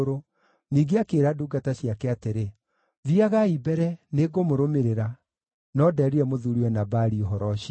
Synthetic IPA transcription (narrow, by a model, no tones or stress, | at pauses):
ɾo | niːɡeakeɾaduɡataɕiakɛateɾe | ðiaɣaibɛɾɛneɡomoɾomeɾeɾa | nɔdɛːɾiɾɛmoðuɾiwɛnabaɾiɔɦɔɾɔɕi